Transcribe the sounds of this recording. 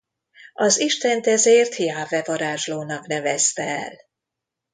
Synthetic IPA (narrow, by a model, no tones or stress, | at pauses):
ɒziʃt̪ɛnt̪ɛzeːrt̪hijaːvɛvɒɾaːʒloːnɒknɛvɛst̪ɛɛ̰l